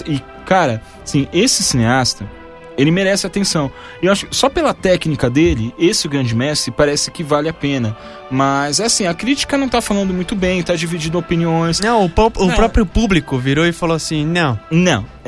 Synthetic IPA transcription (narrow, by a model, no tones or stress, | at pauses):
ɪ | kaɾɐ | sĩʔesɪsineast̪ɐ | elɪmeɾɛsɪat̪ẽsɐ̃w̃ | ewaʃʊ̥kɪsɔpelɐt̪ɛknikɐd̪elɪesɪʊɡɾɐ̃d͡ʒɪmɛst̪ɾɪpaɾɛsɪ̥kɪvalɪapẽnɐ | mɐzɛasĩɐkɾit͡ʃi̥kɐnɐ̃w̃t̪afalɐ̃nd̪ʊmũj̃t̪ʊbẽj̃t̪ad͡ʒivid͡ʒĩd̪ʊopiniõj̃snɐ̃w̃ʊpɔpʊpɾɔpɾjʊpublikʊviɾoɪfaloasĩnɐ̃w̃nɐ̃w̃